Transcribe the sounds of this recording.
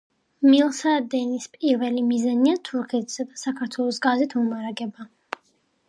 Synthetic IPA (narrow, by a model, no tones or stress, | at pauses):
milˠsad̪ɛnispʼiɾvɛlimizaniat̪ʰuɾkʰɛt̪ʰz̥ɛd̪asakʰaɾt̪ʰwɛlˠɔsɡazit̪ʰmumaɾaɡɛba